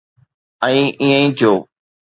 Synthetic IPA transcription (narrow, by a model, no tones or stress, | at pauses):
ə̃ĩːʔĩːə̃ĩːt̪ʰjoː